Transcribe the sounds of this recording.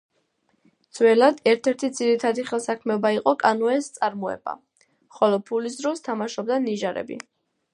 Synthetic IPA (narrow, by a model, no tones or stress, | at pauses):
d̪z̥wɛlad̪ɛɾt̪ʰɛɾt̪ʰid̪ziɾit̪ʰad̪iχɛlˠsakʰmɛɔbaiqʼɔkʼanɔɛst̪sʼaɾmɔɛ̰b̥a̰ | χɔlɔpʰulis̬d̪ɾɔst̪ʰamaʃɔb̚d̪aniʒaɾɛ̰bḭ